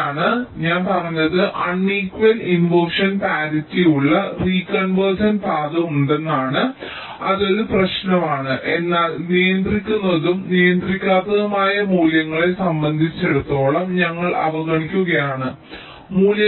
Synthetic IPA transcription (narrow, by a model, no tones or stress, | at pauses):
aːɳɨɲaːnpɐrɐɲːɐðɨʔɐɳːiːkʋɐlinʋoːʂɐnpaːɾitːijuɭːɐriːkɐnʋɐrsɐnpaːd̪ɐuɳɖenːaːɳɨ | ɐðo̞ɾuprɐɕnɐmaːɳɨʔe̞nːaːlnijɐnd̪rikʲːunːɐðumnijɐnd̪rikʲːaːt̪ːɐðɐmaːjɐmuːljɐŋːɐɭesɐmbɐnd̪ʱit͡ɕːe̞ɽut̪ːo̞ːɭɐmɲɐŋːɐɭɐ̰ʋɐɣɐɳikʲːuɣɐjaːɳɨ | muːljɐ